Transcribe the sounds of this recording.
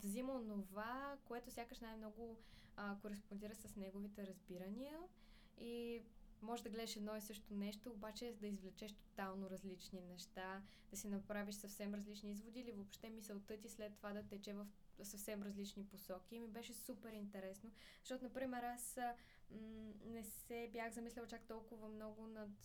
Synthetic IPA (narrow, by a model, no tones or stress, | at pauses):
d̪ɐzimɐonovakoɛt̪ʊsjakəʃnajmn̪ɔɡoəkoɾɛspond̪iɾəxsɐsnɛɡovit̪ɛɾɐzbiɾəniə | imɔʒɛd̪ɐɡlɛd̪ɛʃɛd̪nɔisɤʃt̪onɛʃt̪oːbat͡ʃɛd̪ɐizvlɛt͡ʃɛʃt̪o̥t̪alˠnoɾɐzlit͡ʃninɛʃt̪a | d̪̥ɐsinɐpɾaviʃsɐfsɛmɾɐzlit͡ʃniizvod̪iːlivopʃt̪ɛmisɐlt̪ɤt̪islɛt̪ːovad̪ɐt̪ɛt͡ʃɛvɐf | sɐfsɛmɾɐzlit͡ʃniposɔk̟iːmibɛʃɛsupɛɾint̪ɛɾɛsno | zə̥ɐʃt̪ɔt̪ʊnɐpɾimɛɾas̩ | nɛsɛbjaxzɐmislʲɛlˠt͡ʃakt̪ɔlˠkʊvɐmnɔɡʊnɐt̪